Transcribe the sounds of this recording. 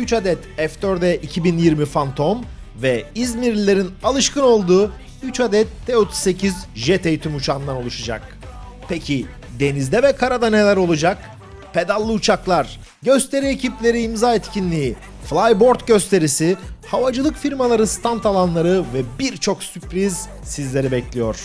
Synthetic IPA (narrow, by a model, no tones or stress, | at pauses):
yt͡ʃad̪ɛt̪ɛft̪øɾd̪ɛʔicʰibinjiɾmifant̪ʰo̞m | vɛizmiɾlʲilʲːe̞ɾinalˠɯʃkɯno̞lˠd̪uː | yt͡ʃad̪ɛt̪ʰːeot̪ʰu̥sse̞cʰizʒet̪ʰejt̪ʰymut͡ʃʰand̪ano̞lˠuʃad͡ʒa̰k̚ | pʰecʰi | d̪e̞nizd̪ɛvɛkʰaɾad̪ane̞lʲæɾo̞lˠud͡ʒak | pʰe̞d̪alʲˠːɯut͡ʃʰaklˠaɾ̥ | ɟø̞st̪ʰe̞ɾiecʰiplʲe̞ɾiːmzaːɛt̪cʰinlʲiːi | flˠajbo̞ɾt̪ɟø̞st̪ʰe̞ɾisihavad͡ʒɯlˠɯkfiɾmalˠaɾɯst̪ʰant̪ʰalˠanlˠaɾɯvɛbiɾt͡ʃʰo̞ksypɾiz | sizlʲe̞ɾibɛclʲijo̞ɾ̥